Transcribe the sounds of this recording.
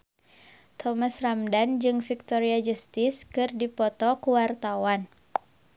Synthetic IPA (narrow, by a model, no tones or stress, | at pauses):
t̪ʰɔmasramdand͡ʒɨŋfik̚t̪oɾiad͡ʒəst̪ɪskɨrdipɔt̪ɔkuwart̪awan